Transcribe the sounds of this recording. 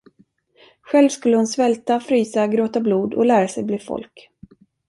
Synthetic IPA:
ɧɛlvskɵlːəhʊnsvɛlt̪afɾyːsaɡɾoːt̪abluːd̪ɔ̰læːɾasɛjbliːfɔ̰lk

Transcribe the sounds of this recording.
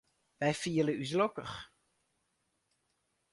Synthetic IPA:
ʋɛjfiələys̬lokə̰x

